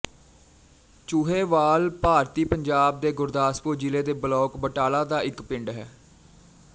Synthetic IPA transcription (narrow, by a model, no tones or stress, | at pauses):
t͡ʃuːɦeːʋaːlpaːɾt̪iːpəɲd͡ʒaːb̚d̪eːɡʊɾd̪aːspoːd͡ʒɪleːd̪eːbəlɔːkbəʈaːlaːd̪aːɪkpɪɳɖɦɛː